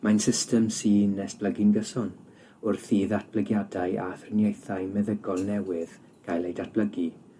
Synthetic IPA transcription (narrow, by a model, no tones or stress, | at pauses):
majnsɪstɛmsiːnɛsb̥ləɡɪnɡəsɔn | ʊrθiːðat̚ʰb̥ləɡjadajʔaθrənjejθajmɛðəɡɔlˠnɛwɪð | ɡ̥ajlˠejdat̚b̥ləɡi